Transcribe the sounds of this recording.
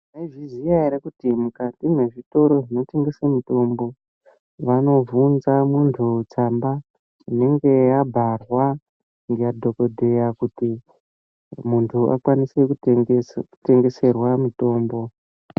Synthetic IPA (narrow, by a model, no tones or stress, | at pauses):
naiʐizijaiɾekutimukatimwe̞ʐito̞ɾo̞ʐino̞te̞ŋɡe̞samito̞mbo̞ | ʋano̞vunzamuntʰut͡samba | ine̞ŋɡe̞jabʱarwa | ŋɡejadʱo̞ko̞dʱe̞jakuti | muntʰuʔa̰kwanisek | kute̞ŋɡe̞se̞rwamito̞ːmbo̞